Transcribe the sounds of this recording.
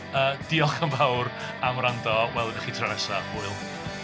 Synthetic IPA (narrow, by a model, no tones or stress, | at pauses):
əːd̥iɔlˠχəmvawr | amrandɔwɛlˠənaχitʰranɛsaʊɨlˠ